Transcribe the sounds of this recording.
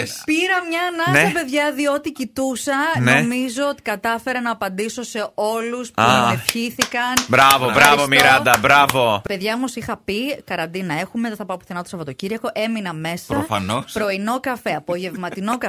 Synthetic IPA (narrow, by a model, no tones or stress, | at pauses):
piɾɐmɲɐnɐsɐpe̞ðʝɐðio̞t̪icit̪usɐnemizoot̪i̥kɐt̪ɐfe̞ɾɐnɐːpɐnd̪iso̞se̞o̞luspefçiθikɐnbɾɐvobɾɐvomiɾɐd̪ɐbɾɐvope̞ðʝɐomosixɐpikɐɾɐnd̪inɐe̞xumet̪ɐθɐpɐpu̥θɐnɐt̪osɐpot̪ociɾɐko̞ʔe̞minɐme̞sɐɾofɐnospɾo̞ino̞kɐfeɐpoʝe̞vmɐt̪ino̞kɐ